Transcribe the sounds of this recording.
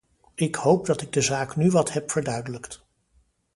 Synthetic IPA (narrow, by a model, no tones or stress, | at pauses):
ɪkhowp̚dɑtɪɡ̚dəzaːknyʋɑtɦɛpfəɹdœɥdələkt